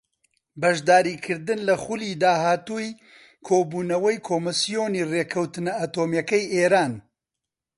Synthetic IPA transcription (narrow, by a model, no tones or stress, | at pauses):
bɐʒd̪aːɾiːkʰɨɾd̪ɨnlɐxuliːd̪aːɦaːt̪uj | kʰoːbuːnɐwɐjkʰoːmɨsijoːniːreːkʰɐwt̪ɨnɐat̪oːmjɐkɐjʔeːɾaːn